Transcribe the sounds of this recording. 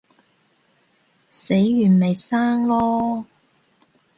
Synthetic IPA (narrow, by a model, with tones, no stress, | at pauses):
se˨˥jːyː˨˩nme˨jsaː˥ŋlɔː˥